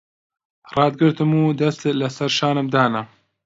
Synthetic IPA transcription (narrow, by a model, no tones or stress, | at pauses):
rˤɑːd̪̚ɡɨɾt̪ɨmuːd̪ɐst̪lɐsɐɾʃaːnɨmd̪aːnɐ